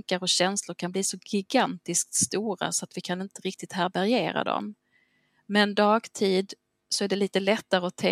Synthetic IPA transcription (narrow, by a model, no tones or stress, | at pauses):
ŋkaɾɔɕɛnslʊɾkʰanbliːsɔɡɪɡant̪ɪsk̚t̪st̪uːɾa̰sɔat̪vɪkʰanɪnt̪əɾɪk̚t̪ɪt̪hæːɾbæɾɪjeːɾa̰d̪ɔ̰m | mɛnd̪ɑːɡt̪ʰiːd̪ | sɔæɖɛliːt̪əlɛt̪ːaɾəɔt̪ʰɛ